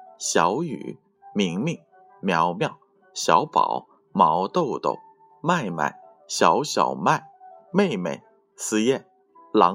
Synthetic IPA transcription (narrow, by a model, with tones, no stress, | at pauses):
ɕjɑ˧˥ʊy̰˨˩ | mi˧˥ŋmi˥˩ŋ | mjɑ˧˥ʊmjɑ˥˩ʊ | ɕjɑ˧˥ʊpɑ̰˨˩˦ʊ | mɑ˧˥ʊt̪o˥˧ʊt̪o̰˥˩ʊ | ma˥˧ɪma̰˥˩ɪ | ɕjɑ˧˥ʊɕjɑ̰˨˩ʊma˥˩ɪme˥˩ɪmḛ˨˩ɪ | sɹ̩˥jɛ˥˩n | lɑ˧˥